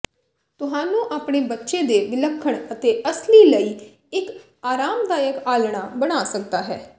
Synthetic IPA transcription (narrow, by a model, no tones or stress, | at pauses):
t̪ʊɦaːnũːʔaːpɳeːbətːʃẽːd̪eːʋɪləkʰːəɳət̪eːʔəsliːləiː | ɪk | aːɾaːmd̪aːjəkaːlɽ̃aːbəɽ̃aːsək̚d̪aːɦɛː